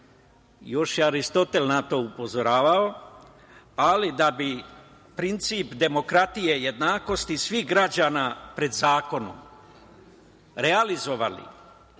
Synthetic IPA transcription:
jo̞ʃjeaɾist̪o̞t̪e̞lnat̪o̞upo̞zoɾaːʋao | alid̪abi | pɾint̪siːpd̪e̞mo̞kɾat̪ije̞je̞d̪naːko̞st̪isʋiɦɡɾad͡ʑaːnapɾe̞d̪zaːko̞nṵm | ɾealizo̞ʋa̰lḭ

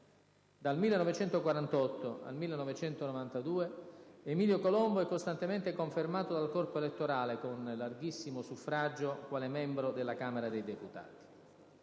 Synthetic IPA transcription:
d̪almilːenɔvet͡ʃɛnt̪okwaɾant̪ɔt̪ːoa̰lmilːenɔvet͡ʃɛnt̪onovant̪ad̪uːeemiːljokolɔmboɛkːost̪ant̪ement̪ekoɱfermaːt̪od̪alkɔrpoelet̪ːoɾaːlekonlarɡisːimosufɾad͡ʒːokwaːlɛmɛmbɾod̪elːakaːmeɾad̪ejd̪eput̪a̰ːt̪i̥

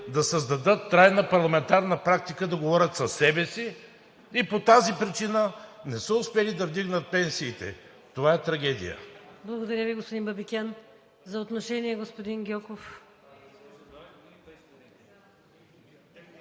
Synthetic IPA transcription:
d̪ɐsəzd̪ɐd̪ɤt̪ːɾajnəpɐɾlˠɐmɛnt̪aɾnəpɾak̚t̪ikəd̪ɐɡovɔɾʲət̪sɐsɛbɛsi | ipot̪azipɾit͡ʃinənɛsəʊspɛlid̪ɐvd̪iɡnət̪̚pɛnsiːt̪ɛ̰ | t̪ovaɛt̪ɾɐɡʲɛd̪ḭjə̰blˠɐɡod̪ɐɾʲjəviɡospod̪inbɐbikʲɛn | zɐot̪noʃɛniɛɡospod̪inɡʲɔkof

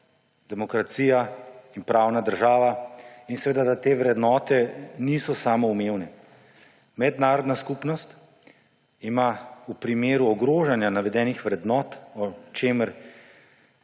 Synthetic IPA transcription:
d̪ɛmɔkɾat̪siːjainpɾaːwnad̪əɾʒaːʋainsɛʋeːd̪ad̪at̪eːʋɾɛd̪nɔːt̪ɛnisɔsaːmɔumeːwnɛ | mɛd̪naːɾɔd̪naskupnɔst̪ | imaupɾimeːɾuɔɡɾoːʒanjanaʋɛd̪ɛːnixʋɾɛd̪nɔːt̪ɔt͡ʃeːməɾ

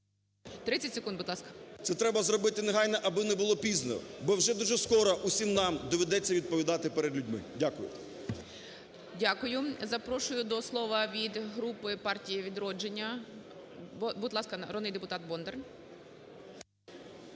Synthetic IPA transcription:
t̪ɾɪt͡sʲːɐtʲsekund̪bʊd̪lˠɑskɐ̥t̪sɛt̪ɾɛbɐzɾɔbɪt̪ɪneɦɑjnɛʔɐbɪnɛbʊlˠɔpʲiznɔ̰bɔwʒɛd̪uʒɛskɔɾɔʔusʲimnɑmd̪ɔʋʲɛd̪ɛt͡sʲːɐʋʲid̪̚pɔʋʲid̪ɑt̪ɪpɛɾed̪lʲʊdʲmɪ̰dʲakʊjʊ̰ | dʲakʊjʊzɐpɾɔʃʊjʊd̪ɔslˠɔʋɐʋʲid̪ɦɾupɪpɑrtʲijɐʋʲid̪ɾɔd͡ʒenʲːɐ | bʊd̪lˠɑskɐɾɔd̪nɪjd̪epʊt̪ɑt̪̚bɔnd̪ern

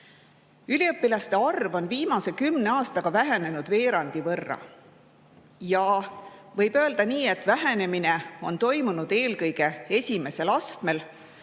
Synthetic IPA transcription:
ylʲiɤpːilɑst̪e̞ɑrvo̞nviːmɑse̞kymne̞ɑːst̪ɑɡ̥ɑvæɦe̞ne̞nud̪̥ve̞ːɾɑnd̪̥ivɤrːɑ̰ | jɑvɤjb̥ø̞ːld̪̥ɑniːe̞t̪ːˑvæɦene̞mineo̞nt̪o̞jmunud̪̥e̞ːlkɤjɡ̥e̞e̞sʲime̞se̞lɑst̪me̞l

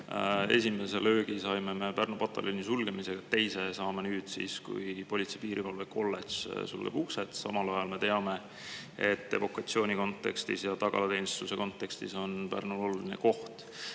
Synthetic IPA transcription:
e̞̰sʲime̞selø̞ːɡ̥isɑjmeme̞pærnopɑt̪ːˑɑ̰lʲjonʲisulɡ̥e̞mise̞ɡ̥ɑet̪ːe̞jse̞sɑːmenyːd̪̥sḭːskṵjpo̞lʲit̪sejpiːɾivɑlveko̞lːessṵlɡ̥eb̥ukset̪ˑsɑ̰mɑlɑjɑlme̞t̪e̞ɑme̞ | et̪ːe̞vo̞kɑt̪sioːnʲiko̞nt̪ːˑe̞kst̪ḭsjɑt̪ɑɡ̥ɑ̰lɑt̪e̞jnst̪use̞ko̞nt̪ːe̞kst̪iso̞npæ̰rnulo̞lulinḛko̞ht̪

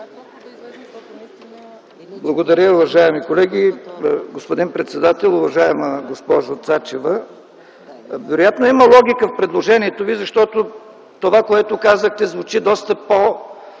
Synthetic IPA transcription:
blˠɐɡod̪ɐɾʲəʊvɐʒaɛmikolɛɡʲiɡospod̪inpɾɛt̪sɛd̪at̪ɛlˠʊvɐʒaɛməɡospɔʒot̪sat͡ʃɛvə | vɛɾojat̪noiməlˠɔɡʲikəfpɾɛd̪lˠoʒɛniɛt̪ovizɐʃt̪ɔt̪o | t̪ovakoɛt̪ʊkazəxt̪ɛzvʊt͡ʃid̪ɔst̪əpo

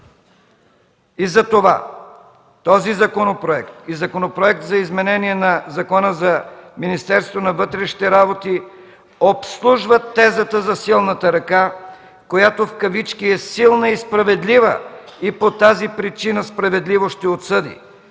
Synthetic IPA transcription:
izɐt̪ova̰ | t̪ɔzizɐkonopɾoɛkt̪izɐkonopɾoɛk̚t̪zɐizmɛnɛniɛnɐzɐkɔnəzɐminist̪ɛɾst̪vonɐvɤt̪ɾɛʃi̥t̪ɛɾabot̪i | opslˠuʒvət̪ːɛzət̪əzɐsilˠnət̪əɾɐka | kojat̪ofkɐvit͡ʃkiɛsilˠnəispɾɐvɛd̪livə̰ipot̪azipɾit͡ʃinəspɾɐvɛd̪livoʃt̪ɛot̪sɤd̪ḭ

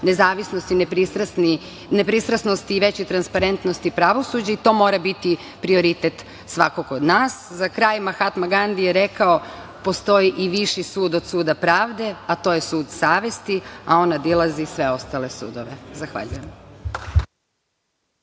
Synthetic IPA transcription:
nezaːʋisnost̪inepɾist̪ɾasni | nepɾist̪ɾasnost̪iːʋe̞t͡ɕit̪ɾanspaɾe̞nt̪nost̪ipɾaʋo̞sud͡ʑait̪o̞ːmo̞ɾabit̪i | pɾio̞ɾit̪et̪ | sʋakokod̪naːszakɾaːjmaxat̪maɡand̪ijeɾe̞kao̞ | po̞st̪o̞jiʔiʋiʃisuːd̪od̪suːd̪apɾaːʋd̪e̞at̪o̞je̞suːd̪saːʋe̞st̪iao̞nad̪ilˠazisʋe̞o̞st̪alesṵːd̪o̞ʋezaxʋa̰ʎujem

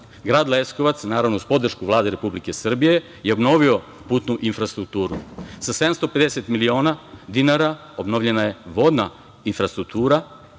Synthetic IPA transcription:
ɡɾaːd̪lesko̞ʋat̪snaːɾaʋnouspo̞d̪r̩ʃkuʋlˠaːd̪e̞ɾe̞publike̞sr̩bije̞ | jeobno̞ʋio̞ | puːt̪nuʔinfɾast̪ɾuk̚t̪uːɾusase̞d̪amst̪o̞pe̞d̪eset̪milio̞ːnad̪inaɾa | obnoʋʎe̞naje̞ʋo̞d̪na | infɾast̪ɾuk̚t̪uːɾa

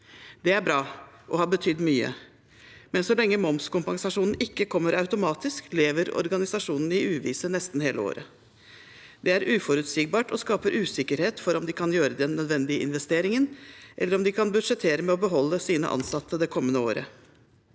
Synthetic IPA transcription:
d̪ɛæɾbɾɑː | ʔɔhɑɾbət̪ʰʏd̪ːmyːə̰ | mɛnsɔlɛŋːəmɔmskʊmpɑŋsɑʂuːnn̩ɪkːəkʰɔmːəɾɑʉt̪ʊmɑːt̪ɪskleːʋəɾɔ̰ɾɡɑnɪsɑʂuːnn̩ɪʉːʋḭːsənɛst̪n̩heːləo̰ːɾə | d̪̥ɛæɾʔʉːfɔɾʉt̪siːɡ̚bɑːʈɔskɑːpəɾʔʉːsɪkːəɾheːt̪fɔɾɔmd̪ɪkʰɑnjøːɾəd̪ɛnːœd̪ʋɛnd̪ɪəʔɪ̰nʋɛst̪eːɾɪŋənʔɛ̰lːəɾɔmd̪ɪkʰɑnbʉd̪ʂɛt̪ʰeːɾəmɛɔbəɦɔlːəsiːnə̰ʔɑ̰nsɑt̪ʰːəd̪ɛkʰɔmːənəo̰ːɾə̰

